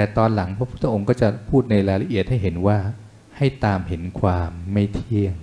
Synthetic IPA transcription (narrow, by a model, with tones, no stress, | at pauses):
t̪ɛː˨˩t̪ɔː˧nla˩˦ŋpʰɔ˦˥pʰu˥˩t̪ʰːa˧ʔo˧ŋkɔː˥˩t͡ɕa˨˩pʰuː˥˩t̪̚na˧jɾaː˧ɾa˧ʔi˨˩ət̪̚ha˥˩jɦe˩˦nwaː˥˩ | ha˥˩jt̪aː˧mɦe˩˦nkʰwaː˧mːa˥˩jt̪ʰi˥˩əŋ